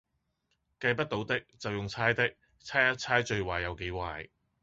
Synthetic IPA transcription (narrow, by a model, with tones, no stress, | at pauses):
kɐ˧jpɐ˥t̚t̪o˨˥wt̪ɪ˥k̚t͡sɐ˨wjʊ˨ŋt͡sʰaː˥jt̪ɪ˥k̚ | t͡sʰaː˥jɐ˥t̚t͡sʰaː˥jt͡ʃɵ˧ɥwaː˨˩jɐ˨˧wke˨˥jwaː˨j